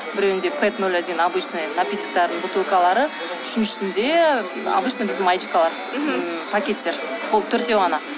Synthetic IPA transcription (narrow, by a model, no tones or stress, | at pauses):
bɪɾewɪnd̪e̞pʰet̪nolʲːad̪eɡʲenɑbijʃnɨjnapʲit̪ʲi̥k̚t̪aɾd̪əɴbut̪ulˠkalˠɑɾə | ʏʃɪnʃʏ̥sɪnd̪e̞ | ɑ̰bɯjʃnɨjbɪzd̪ɪmajd͡ʒikalˠɑɾ | pʰakʲe̞t̪ːe̞ɾ | bolˠt̪ʰʏɾt̪e̞wʁɑnɑ